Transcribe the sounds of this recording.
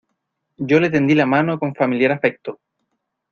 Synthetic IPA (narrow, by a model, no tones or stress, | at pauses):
ɟ͡ʝo̞le̞t̪e̞nd̪ilamano̞koɱfamiljaɾafe̞k̚t̪o